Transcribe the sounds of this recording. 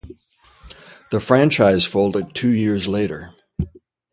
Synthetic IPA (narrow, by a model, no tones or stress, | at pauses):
ðəfɹæ̃nt͡ʃaɪz̥foʊlˠdɨd̚tʰʉjɪɹzleɪɾə˞